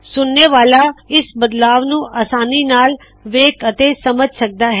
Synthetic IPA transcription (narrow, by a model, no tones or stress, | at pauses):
sʊnːeːʋaːlaɪsbəd̪laːʋnũʔaːsaːniːnaːl | ʋeːkət̪esɐməd͡ʒʱsɐk̚d̪aːɦɛ